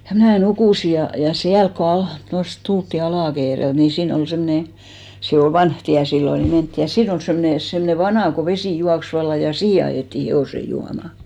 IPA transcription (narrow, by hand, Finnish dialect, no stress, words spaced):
jɑ mnæˑ nukuˑsi jɑ jɑ siælk ko ɑht tost tultːi ɑlɑˑkeːrelt ni siːn ol semne se ol ʋɑnh tiæ silːo ni mentːi jɑ siːn ol semne semne ʋɑnɑˑ ko ʋesiˑ juɑks ʋɑlːɑ jɑ siːhe ɑjeˑtːi heoˑse juɑmɑ